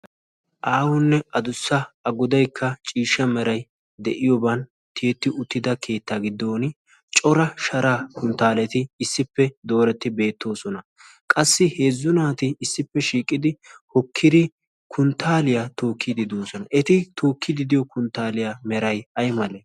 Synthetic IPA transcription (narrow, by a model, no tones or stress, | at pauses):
ʔaːwʊnːɛʔɐd̪ʊsːɐɐɡʊd̪ɐjkʰːɐt͡ʃʼiːʃːɐmɛɾɐj | d̪ɛʔɪjɔbɐn | t̪ɪjɛt̪ːɪʔʊt̪ːɪd̪ɐkʰe̞ːt̪ːaɡɪd̪ːo̞ːn | t͡ʃʼɔɾɐʃɐɾaːkʊnt̪ːaːlɛt̪ɪːsːɪpːɛd̪o̞ːɾɛt̪ːɪbe̞ːt̪ːo̞ːsɔnɐ | kʼɐsːɪhe̞ːzːʊnaːt̪ɪːsːɪpːɛʃiːkʼːɪd̪ɪhɔkʰːɪd̪ɪ | kʰʊnt̪ːaːlɪjat̪o̞ːkʰːɪd̪ɪd̪oːsɔnɐʔɛt̪ɪt̪o̞ːkʰːɪd̪ɪd̪ɪjɔkʊnt̪ːaːlɪjamɛɾɐjɐjmɐle